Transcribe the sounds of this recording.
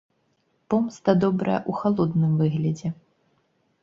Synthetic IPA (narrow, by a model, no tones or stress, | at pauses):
pɔmst̪ɐd̪ɔbɾɐ̰jɛ̰ʔuxalˠɔd̪nɨmvɨɣlʲɐd͡zʲɛ